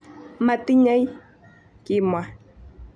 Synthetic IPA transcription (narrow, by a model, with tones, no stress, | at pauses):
ma˨ti˦ɲa˦i˦ | ki˨mwa˨